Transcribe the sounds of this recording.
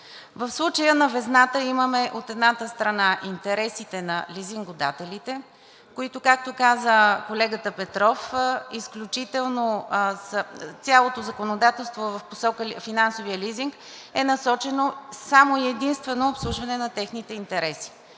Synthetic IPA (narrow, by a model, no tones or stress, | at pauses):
vəfslˠut͡ʃəjənɐvɛznat̪əiməmɛʔot̪ɛd̪nat̪əst̪ɾɐnaʔint̪ɛɾɛsit̪ɛnɐ̰liziŋɡod̪a̰t̪ɛlit̪ɛ | koit̪okak̚t̪okazəkolɛɡət̪əpɛt̪ɾɔfisklʲut͡ʃit̪ɛlˠnosət̪sʲalˠot̪ozɐkonod̪at̪ɛlˠst̪vovɐfposɔkəfinansovijəliziŋk | ɛnɐsɔt͡ʃɛnosamoiɛd̪inst̪vɛnoːpslˠuʒvɐnɛnɐt̪ɛxnit̪ɛint̪ɛɾɛsi̥